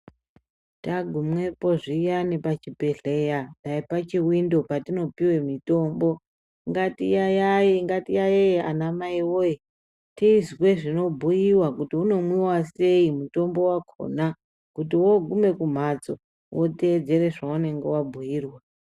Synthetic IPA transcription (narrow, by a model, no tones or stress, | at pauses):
taɡʱumwe̞po̞ʐijanipat͡ʃibʱe̞ɮe̞jataipat͡ʃiwindo̞patino̞piwe̞mito̞mbo̞ | ŋɡatijajaiŋɡatijajea̰namaiwoje | tiːzwe̞ʐino̞bʱujiwakutiuno̞mwiwase̞imuto̞mbo̞wakʰo̰na | kutiwo̞ɡʱume̞kum̤at͡so̰ | wʔote̞ːd͡ze̞re̞ʐaune̞ŋɡe̞wabʱujiːrwa